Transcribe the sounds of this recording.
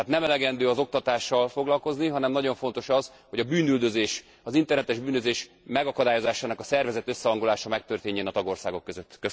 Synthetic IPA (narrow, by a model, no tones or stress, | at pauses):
t̪nɛmɛlɛɡɛnd̪øːɒzo̞k̚t̪ɒt̪aːʃːɒlfo̞ɡlɒlko̞zniɦɒnɛmnɒɟo̞ɱfo̞n̪t̪o̞ʃɒz | ho̞ɟɒbyːnyld̪ø̞zeːʃ | ɒzint̪ɛrnɛt̪ɛʒbyːnøzeːʃ | mɛɡɒkɒd̪aːjo̞zaːʃaːnɒkɒsɛrvɛzɛt̪ø̞sːɛɦɒŋɡolaːʃɒmɛk̚t̪ørt̪eːɲːɛnɒt̪ɒɡo̞rsaːɡo̞kːøzøt̪ːkø